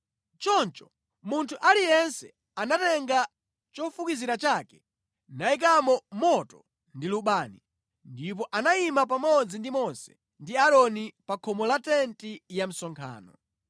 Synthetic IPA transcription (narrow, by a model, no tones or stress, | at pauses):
t͡ʃɔnt͡ʃɔ̥ | muntʰuʔalijɛnsɛ | anatɛŋɡa | t͡ʃɔfukiziɾat͡ʃakɛ | naik̬amɔmɔtɔ | ndiluɓaːni | ndip̬ɔʔanaimap̬amɔd͡zindimɔnsɛ̥ | ndiaɾɔnipakʰɔmɔlatɛntijam̩sɔŋkʰa̰ːnɔ